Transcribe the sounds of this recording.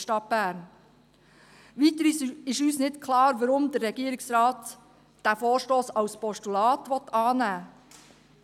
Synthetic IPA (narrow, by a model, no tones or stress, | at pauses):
ʃtɑt̚b̥æːɾn | ʋiːt̪əɾɪʃyːsnɪtkʰlɑːɾʋɑɾʊmd̪əɛɡiːəɾɪksɾɑːt̪ | d̥æfoːʃtoːsɑʊspɔstulɑːt̪ʋɔt̪ɑːnæː